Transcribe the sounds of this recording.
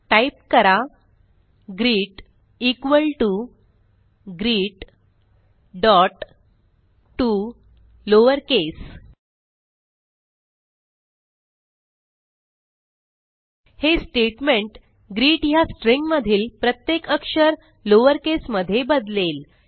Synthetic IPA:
ʈaip̚kəɾa | ɡɾiːʈ | ikʋəlʈu | ɡɾiːʈ | ɖɔʈ | u | loʋəɾkes | hesʈeʈmeɳʈ | ɡɾiːʈɦjasʈɾiŋɡməd̪ʱiːlpɾət̪jekəkʂəɾ | loʋəɾkesməd̪ʱːjebəd̪lel

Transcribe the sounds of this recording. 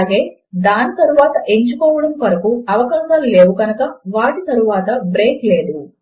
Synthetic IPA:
ɡe̞ː | d̪aːnɐt̪ɐɾuʋaːt̪ɐʔeɲt͡ʃukoːʋɐɽɐmkɐɾɐkuɐʋɐkaːʃɐd̪ɐlːeːʋukɐnɐkɐʋaːʈit̪ɐɾuʋaːt̪ɐbɾeːkleːd̪u

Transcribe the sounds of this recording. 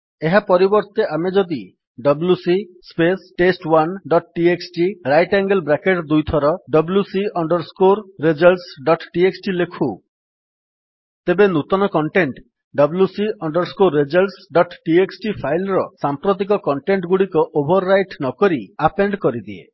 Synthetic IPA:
eɦapɔɾibɔɾt̪eʔamed͡ʒɔd̪i | ɖɔblusispesʈesʈwanɖɔʈʈieksʈiɾajʈaŋɡelbɾakeʈd̪ujt̪ʰɔɾɔɖɔbljusiɔɳɖɔɾskoɾːed͡ʒɔlʈsɖɔʈʈieksʈilekʰu | t̪ebenut̪ɔnɔkɔɳʈeɳʈ | ɖɔbljusiʔɔɳɖɔɾskoɾːed͡ʒɔlsɖɔʈʈieksʈipʰajlɾɔsampɾot̪̬ik̬ɔkɔɳʈeɳʈɡuɽikɔʔobʱɔɾːajʈnɔkɔɾiapeɳɖkɔɾid̪iḛ

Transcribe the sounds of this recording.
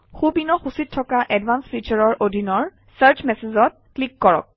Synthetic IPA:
xubinɔxusitʰːɔkaʔɛdvansfit͡ʃaɹɔɹʔodʱinɔɹ | saɹt͡ʃmɛsezɔt̚klikːɔɹɔ̰k̚

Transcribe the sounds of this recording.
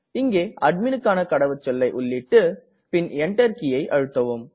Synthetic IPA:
ɪŋɡeːʔɐɖ̚mɪnɯkːaːnɐkɐɽɐʋɐt͡ʃːɔlːɐɪʔʊɭːɪʈːɯ | pɪnɛɳʈɐɾkɪjɐɪʔɐɻɯt̪ːɐʋɯm

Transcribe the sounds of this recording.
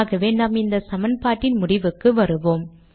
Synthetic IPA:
ɣɐʋeːnaːmɪnd̪ɐsɐmɐnpaːʈːɪnmʊɽɪʋɯkːɯʋɐɾɯʋoːm

